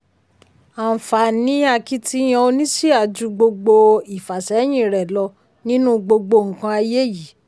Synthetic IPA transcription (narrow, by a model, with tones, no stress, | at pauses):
a˨fa˨nĩ˨˦a˧ki˧tʰi˧˦j̃ã˧o˧nĩ˦si˦a˨d͡ʒu˧˦ɡ͡bo˧ɡ͡bo˧i˨fa˨sɛ˨˦j̃ĩ˦˨ɾɛ˨lɔ˧ | nĩ˦nũ˦ɡ͡bo˧ɡ͡bo˧ŋ̩˨kã˧a˧je˦ji˨˦